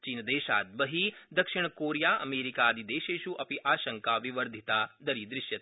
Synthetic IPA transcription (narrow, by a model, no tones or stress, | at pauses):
t͡ʃiːnd̪eːʃa̰ːd̪̚bəɦid̪ɐkʃɪɳ̃koːɾjaɐ̰meːɾikad̪id̪eːʃeːʃuʔɐpiʔaːʃəŋkaʋiʋəɾd̪ʱit̪ad̪əɾid̪ɾɪʃjə